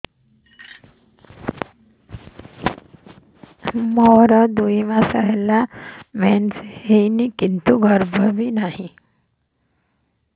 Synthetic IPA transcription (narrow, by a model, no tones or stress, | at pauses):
mɔɦɾəd̪uiʋasəɦlamɛnshenikint̪uɡʱəɾbʱəʋinaɦi